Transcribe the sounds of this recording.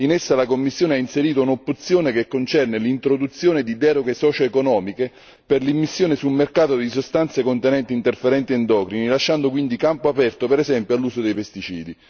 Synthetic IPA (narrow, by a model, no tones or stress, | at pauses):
inesːalakomːisːjoːneainseɾiːt̪ounopːut̪sːjoːnekekːont͡ʃɛrnelint̪ɾod̪ut̪sːjoːned̪id̪ɛːɾoɡesɔːt͡ʃoekonɔːmike | perlimːisːjoːnɪsulmerkaːt̪od̪isost̪ant̪sekont̪ɛnɛnt̪iːnt̪erfeɾɛnt̪iɛnd̪ɔːkɾinilaʃːand̪okwind̪ikampoapɛrt̪opɛɾɛzɛmpjoalːuːsod̪ejpest̪it͡ʃḭːd̪i